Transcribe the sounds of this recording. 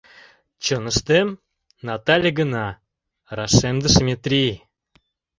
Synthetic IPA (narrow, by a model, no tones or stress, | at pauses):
t͡ɕɤnə̆ʃt̪em | nɑt̪ɑlʲəɡə̆nɑ | rɑʂemd̪ə̆ʃmʲet̪rʲij